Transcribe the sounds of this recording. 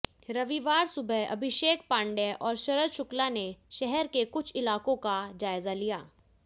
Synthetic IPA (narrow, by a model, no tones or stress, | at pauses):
ɾɐʋiʋaːɾsʊbʱəɐ̰bʱɪʃeːk̚pãːɳɖɛʔɔːɾʃɐɾəd̪ʃʊklaneʃɛɦɛɾkekʊt͡ʃʰɪlaːkõkad͡ʒaːɪzalijaː